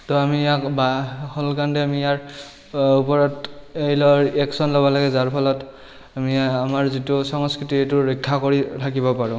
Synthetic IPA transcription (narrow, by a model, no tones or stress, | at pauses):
tɔamijakbahɔlkandɛamijaɹ | upɔɹɔtejlɔɹɛksɔnlɔbɔlaɡɛzaɹpʰɔlɔt | amiamaɹzitʊsɔŋskɹitietʊɹikʰːakoɹitʰakibɔpaɹʊ̃